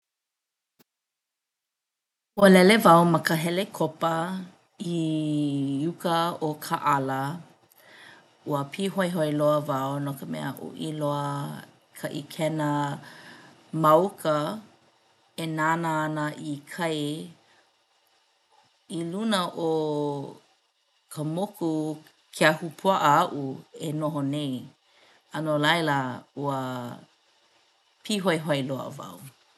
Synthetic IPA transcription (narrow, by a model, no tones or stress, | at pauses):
uəlɛlevawmɐkəɦɛlekʰopə | i | jukəokʰaʔɐlə | uəpʰiɦojɦoeloəvawnokəmɛ̰ə̰ʔṵʔiloə | kʰɐʔikʰɛnə | mɐwkʰə | enanəːnəʔikʰɐj | ilunəʔo | kʰəmoku | kʰeahupʰuaʔəaʔuenoɦonej | ɐnolɐjləuə | pʰiɦojɦoeloə̰va̰w